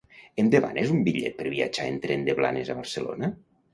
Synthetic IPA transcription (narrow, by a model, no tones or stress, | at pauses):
end̪eβa̰nezumbiʎɛ̰t̪̚pəɾβiad͡ʒaent̪ɾɛnd̪eβla̰nezaβəɾsəlo̰na